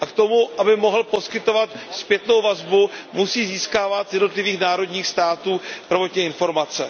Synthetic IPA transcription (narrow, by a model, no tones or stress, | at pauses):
ʔakt̪o̞muʔabɪmo̞ɦl̩po̞skɪt̪o̞vat̪spjɛt̪no̞wvazbumusiːziːskaːvat̪zjɛdno̞t̪lɪviːxnaːɾo̞dɲiːxst̪aːt̪uːpɾovot̪ɲɛɪnfo̞ɾmat͡sɛ